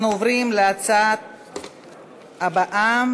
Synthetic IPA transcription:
nuovʁimleat͡sat̪̚ | abaʔam

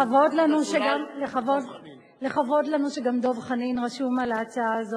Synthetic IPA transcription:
avodlanuʃeɡamleχavod | leχavo̞dlanuʃeɡamd̪o̞vχaninʁaʃumalaːt͡saaːzo

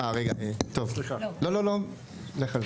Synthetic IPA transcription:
aʁeɡaʔet̪o̞vlialo̞lo̞lo̞ | leχal

